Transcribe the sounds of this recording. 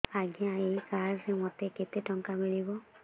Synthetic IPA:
aɡijãejkaɾzemot̪eket̪eʈɔŋkamiɭibɔ

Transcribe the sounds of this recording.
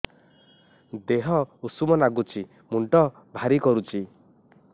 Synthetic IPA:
d̪eɦɔusumɔnaɡut͡ʃi | muɳʈɔ | bʱaɾikɔɾut͡ʃi

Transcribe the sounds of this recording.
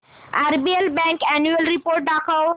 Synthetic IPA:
aɾbielbɛ̃ŋkɛnjuəlɾipoːɾʈ̚ɖakʰəw

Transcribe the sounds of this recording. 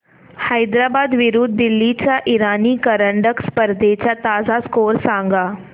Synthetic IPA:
hajd̪ɾaːbaːd̪ʋɪɾud̪̚ːɪlːit͡ɕaʔiɾaːnikəɾəɳɖəkspəɾd̪et͡ɕat̪aːzaskoːɾsãːŋɡaː

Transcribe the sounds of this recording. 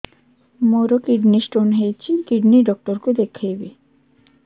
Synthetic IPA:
moɾokiɖnisʈonɦejt͡ɕʰikiɖniɖɔk̚ʈoɾkud̪ekʰːejbe

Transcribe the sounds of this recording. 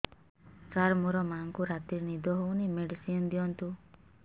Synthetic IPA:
kaɾmuɾɔmaŋkuɾat̪iɾnid̪ʱɔɦownimeɖisiɔnd̪ijɔnt̪u

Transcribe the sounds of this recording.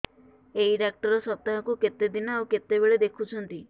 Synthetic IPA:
eiɖak̚ʈɔɾɔsɔt̪aɦɔkuket̪ed̪inɔawket̪ebeɭed̪ekʰut͡ʃʰɔnt̪i

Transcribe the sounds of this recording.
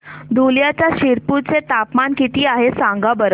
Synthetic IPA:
d̪ʱuljat͡ɕjaɕiɾput͡set̪apmankit̪iːaɦesãŋɡabəɾə

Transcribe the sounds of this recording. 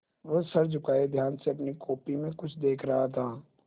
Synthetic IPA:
ʋəsɐɾd͡ʒʊkaːed̪ʱjaːnseɐpnikoːpimẽkʊt͡ʃʰd̪eːkʰɾɐɦat̪ʰaː

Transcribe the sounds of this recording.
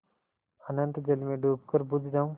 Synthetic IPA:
ənə̃nt̪d͡ʒelmẽɖʱuːp̚kəɾbʊd͡ʒʱd͡ʒaːũ

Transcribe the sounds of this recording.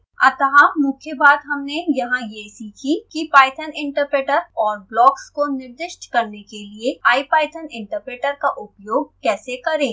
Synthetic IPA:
ɐt̪əɦamʊkʰjəbaːd̪ɦɐmnejɐɦãjesikʰikipaːɪʈʰənɪ̃ɳʈəɾpɾeːʈəɾɔːɾblɔːkskonɪɾd̪ɪʃʈkɐɾnekelieaːipaːɪʈʰənɪ̃ɳʈəɾpɾeːʈəɾkaʔʊpjoːɡ̚kɛːsekɐɾẽː

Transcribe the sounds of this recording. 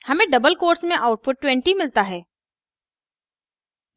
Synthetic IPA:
hɐmẽɖɐbəlkoːɾsmẽʔaʊʈ̚pʊʈ̚ːwɛ̃ɳʈimɪlt̪aɦɛː

